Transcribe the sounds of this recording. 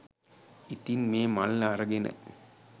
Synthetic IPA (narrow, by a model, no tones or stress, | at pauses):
it̪inmeːmɐlːaɾɐɡenɐ̰